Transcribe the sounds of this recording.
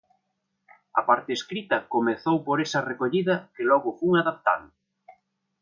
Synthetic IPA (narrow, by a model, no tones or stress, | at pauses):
ɐ̰paɾt̪eːskɾit̪ɐkomeθowpoɾesɐrekoʎiðɐkɪlɔɣʊfuŋaðap̚t̪a̰ð